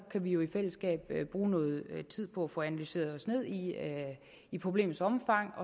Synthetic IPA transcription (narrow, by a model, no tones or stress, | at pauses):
kʰæʋijo̝ifel̰əsɡ̥ɛ̰ːb̥øb̥ʁuːnɔ̽ːð̩ˠt͡sʰið̰ˠpʰɒ̽æfɔ̽ænælyse̝̰ːɐðˠɒ̽sne̝ð̞̰ˠi | ipʰʁo̝b̥le̝̰ːm̩ˠsɒ̽mfɑ̈ŋ̰ɒ̽